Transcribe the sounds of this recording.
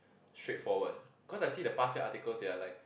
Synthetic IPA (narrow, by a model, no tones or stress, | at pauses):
stɹ̥etfɔwəd̚bikʰɔsaɪsiːdəpastəʔa̰tikəlsdealaɪk̚